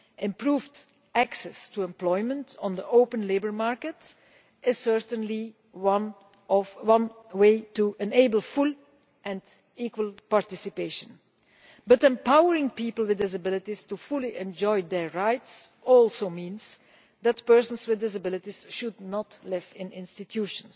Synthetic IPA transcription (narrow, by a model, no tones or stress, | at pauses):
ɪ̃mpɹuːvd | æksɛstuɛ̃mplɔɪjmə̃ntɔ̃nd̪əʔoʊpə̃nleɪbəɹmaɹkət | ɪz̥sɜɹtə̃nli | wʌn | ɔvwʌ̃nweɪtuʔɛ̃neɪbəlˠfulˠ | ʔɛ̃nd | iːkwəlˠpaɹtɪsɪpeɪʃə̃n | bʌtɛ̃mpawəɹɪ̃ŋpiːpəl̩ˠwɪdɪs̬abɪlˠɪtistufʊliʔɛ̃nd͡ʒɔɪd̪ɛɹɹaɪtsɔlˠsoʊmĩnz | d̪ætpɜɹsə̃nswɪðːɪs̬əbɪlˠɪtisʃudnɔtlɪvɪ̃nɪ̃nstitʰjuʃə̃ns